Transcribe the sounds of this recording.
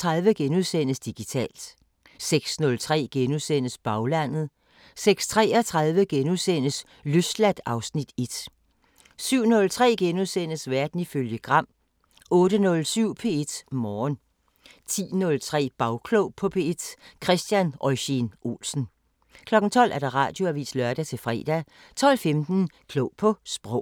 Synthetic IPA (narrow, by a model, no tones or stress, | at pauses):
t͡sʰʁɑ̈ðˠʋəɡ̥enuðˠsen̰əsd̥iɡ̥it͡sʰɛ̰ːld̥ | seɡ̥snɔ̽lt͡sʰʁɛ̰ːɡ̥enuðˠsen̰əsb̥ɑ̈ʊlæn̰ð̞̩ˠ | seɡ̥st͡sʰʁɛ̰ːɐt͡sʰʁɑ̈ðˠʋəɡ̥enuðˠsen̰əs | løsd̥læd̥ɑ̈ʊsnid̥e̝d̥ | syʊ̰nɔ̽lt͡sʰʁɛ̰ːɡ̥enuðˠsen̰əsʋæɐd̥n̩iføljəɡ̥ʁɑ̈m̰ | ɔ̽ːɾənɔ̽lsyʊ̰pʰee̝d̥mɒːn | t͡sʰḭːnɔ̽lt͡sʰʁɛ̰ːb̥ɑ̈ʊkʰlɔʊpʰɔ̽pʰe̝ed̥kʰʁɛsd̥jænɒɪɕenʔo̝̰lsn̩ | kʰlɒ̽ɡ̥ŋ̩t͡sʰɒ̽l̰ʔæɐd̥ɑ̈ʁɑ̰̈ːd̥jo̝æʋḭːslœɐd̥æt͡sʰe̝lfʁɛ̰ːd̥æ | t͡sʰɒ̽l̰femd̥n̩kʰlɔʊpʰɒ̽sb̥ʁɔʊ̰